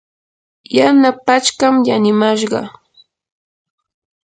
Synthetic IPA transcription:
janapat͡ʃkamjanɪmaʃɢɑ̰

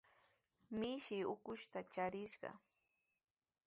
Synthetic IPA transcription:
mɪʃɪʊkʊʃt̪at͡ʃaɾɪʃɢɑ̰

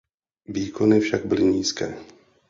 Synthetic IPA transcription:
viːkonɪfʃaɡ̚bɪlɪɲiːskɛ̰ː

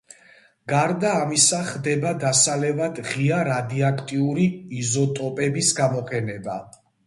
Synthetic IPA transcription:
ɡ̥aɾd̪aːmisaχd̪ɛbad̪asalɛvad̪ʁiaɾad̪iakʰt̪ʼiuɾiːzɔt̪ʼɔpʼɛbisɡamɔqʰʼɛnɛba

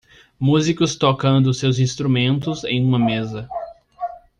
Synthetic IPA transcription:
muzikʊst̪okɐ̃nd̪ʊsewzĩst̪ɾumẽnt̪ʊzẽj̃ũmɐmezɐ

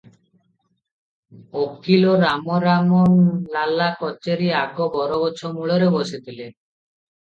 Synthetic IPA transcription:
okːilɔɾamɔɾamɔnlalakɔt͡ʃeɾiaɡɔbɔɾɔbɔt͡ʃʰɔmuɭɔɾeboset̪ʰile

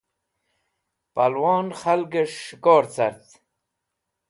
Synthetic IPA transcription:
palwɑːnχɐlɡeʂɡoːɾt͡sɐ̰ɾt̪

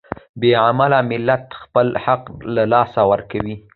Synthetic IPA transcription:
beʕamalamɪlːat̪xpəlhaqːalɑsawəɾkawi

